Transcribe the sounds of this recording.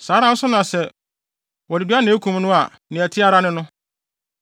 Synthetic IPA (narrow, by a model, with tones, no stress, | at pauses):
saː˨˦ɾã˦n̩˦sʊ˦nʊ̃˨a˨sɛ˦ | wɔ˨dɪ˨du˦a˦nɪ̃˨˦kʰũ˨m˦nʊ̃˦a˨ | nɪ̃˨æ˨tʰɪ˦a˦ɾa˦nɪ̃˦nʊ̃˦